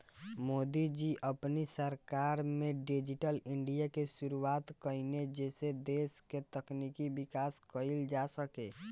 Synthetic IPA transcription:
mod̪id͡ʒiʔəpnisəɾkaɾmeɖid͡ʒiʈəliɳɖijakeʃuɾuat̪kəɪned͡ʒesed̪esket̪əknikibikaskəild͡ʒasəke

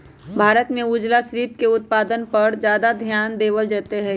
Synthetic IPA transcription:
bʱaːɾət̪mẽuːd͡ʒlasɾiːp̚keʊt̪̚paːd̪ənpɐɾzjaːd̪ad̪ʱjaːnd̪eːʋəld͡ʒaːt̪eɦɛː

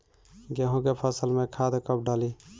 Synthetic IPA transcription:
ɡeɦõɡepʰəsəlmẽkʰaːd̪ekəp̚ɖaːli

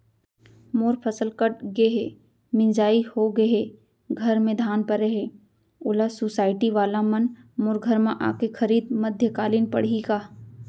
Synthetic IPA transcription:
moːɾpʰɐsəlkəʈɡeɦe | mɪ̃nd͡ʒaːihoɡeɦe | ɡʱɐɾmẽd̪ʱaːnpəɾeɦe | ʊlasoːsaːɪʈiʋaːlamɐnmoːɾɡʱəɾmãʔa̰ːkexʰɐɾiːd̪̚mɐd̪ʱjəkaːliːnpɐ̰ɽ̤iɡaː

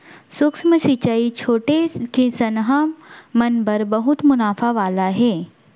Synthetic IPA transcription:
sʊksməsit͡ʃait͡ʃʰoːʈekesɐnɦəmɐnbɐɾbɐɦʊt̪mʊnaːfaʋaːlaɦɛː

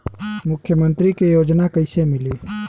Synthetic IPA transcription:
mʊkʰːjəmənt̪ɾikejoːd͡ʒnakəɪsemili

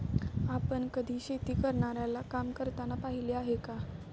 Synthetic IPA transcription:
apəɳkəd̪ʱiːɕet̪iːkəɾɳaɾjalakamkəɾt̪anapaɦiliaɦeka

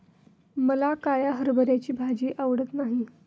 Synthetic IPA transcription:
məlakajaɦəɾbəɾjat͡ɕiːbʱad͡ʑiːʔaʋɽət̪naɦi

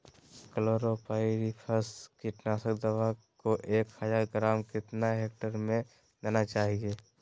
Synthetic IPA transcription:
kəloːɾopaːɪɾipʰəskiʈnaːsəkd̪əʋa | koʔeːkhəd͡ʒaːɾɡɾaːmkɪt̪naɦeːk̚ʈəɾmẽ | d̪aːnat͡ʃaːɦiɡeː

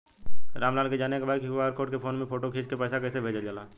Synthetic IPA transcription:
ɾaːmlaːlked͡ʒaːnekebaːd̪kiʋaɾkʰoːʈkepʰoːnmẽpʰoːʈokʰeːt͡ʃkepɛːsakɛːsebʱeːd͡ʒald͡ʒaːlaː

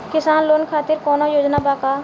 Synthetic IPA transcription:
kɪsaːnloːnkʰaːt̪ɪɾkɔːnojoːd͡ʒnabaːka

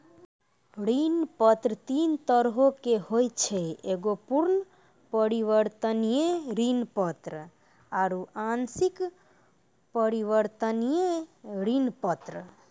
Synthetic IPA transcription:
ɾinpət̪ɾət̪int̪əɾɦokehojt͡ʃʰɛeɡopuɾnə | pəɾiʋəɾt̪ənijeɾinpət̪ɾ | aɾuansik | pəɾiʋəɾt̪ənijeɾinpət̪ɾə

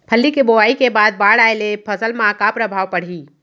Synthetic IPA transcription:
pʰəlːikeboaikebad̪̚baɽaelepʰəsəlmãkapɾəbʱaʋpəɽ̤ɦi

